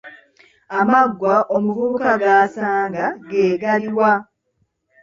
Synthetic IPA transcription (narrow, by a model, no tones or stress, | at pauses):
amaɡwaʔomuvukaɡaːsaːŋɡaɡeːɡaliwa